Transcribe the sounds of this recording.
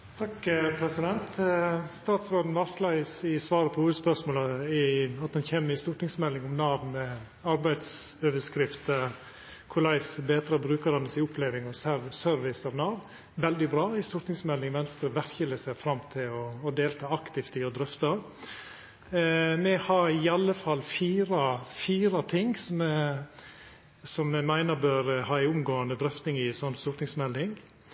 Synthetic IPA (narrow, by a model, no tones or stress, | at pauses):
t̪ʰɑkpʰɾɛsɪd̪ɛnt̪st̪ɑːt̪sʋɑːɖn̩ʋɑslæɪəsɪsʋɑːɾəpʰɔhuːəd̪əspœʂmoːləɪɑt̪̚ɑnçeːmːɪst̪ʊʈ̪nɪŋsmɛlːɪŋɔmnɑːʋnmɛ | ɑɾbæɪd̪søːʋəʂkɾɪft̪ə | kʰʊlɑɪsbeːt̪ɾɑbɾʉːkəɾɑnːəsɪʊpleːʋɪŋɔsæɾsœɾʋɪsɑʋnɑːʋn | ʋɛld̪ɪbɾɑːɪst̪ʊɾt̪ɪŋsmɛld̪ɪŋʋɛnst̪ɾəʋæɾçələsæfɾɑmt̪ʰɪlɔːd̪eːlt̪ʰɑːɑkt̪ɪft̪ɪɔd̪ɾœft̪ɑ | mɛhɑɾɪɑlːəfɑlːfiːɾɑfiːɾɑt̪ʰɪŋsɔm | sɔmːɛmæɪnəɾbøːɾhɑːæɪʊmɡoːɑnəd̪ɾœft̪nɪŋɪsɔnːst̪uːɾt̪ɪŋsmɛld̪ɪŋ